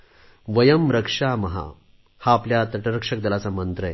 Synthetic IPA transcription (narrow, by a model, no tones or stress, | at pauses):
ʋɐjɐmɾɐkʂaːmɐɦa̰ | haːpljat̪ɐʈəɾəkʂɐk̚d̪əlat͡samənt̪ɾəj